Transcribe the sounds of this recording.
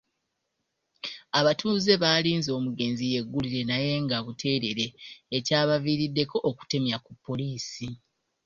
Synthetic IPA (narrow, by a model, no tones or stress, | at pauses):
aβatʰuːze̞βaːliːnzo̞ːmuɡe̞ːnzije̞ɡːuliɾe̞naje̞ːŋɡaβutʰe̞ːɾe̞ɾe̞ːcaːβaviɾidːe̞kʰo̞ʔːku̥te̞mjakupʰːo̞liːsi